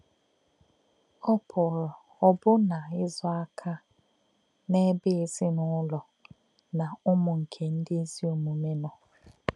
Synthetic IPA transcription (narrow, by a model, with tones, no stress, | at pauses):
ɔ˦pʰʊ˨lɔ˨ | ɔ˦bʊ˦na˨ɪ˦zɔ˦a˦kʰa˦ | ne˦bɪ˦ɪ˨zɪ˦nʊ˦lɔ˨ | na˨ʊ˦mʊ˨ŋ̩˨kʰe˨n̩˦dɪ˦e˦zi˦o˨mu˨me˦nɔ˨